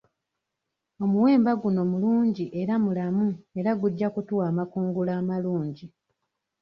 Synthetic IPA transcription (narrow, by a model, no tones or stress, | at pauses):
o̞muwe̞ːmbaɡuno̞muluːɲɟiʔe̞ɾamulamue̞ɾaɡuɟːakutuwaːmakuːŋɡulaːmaluːɲɟi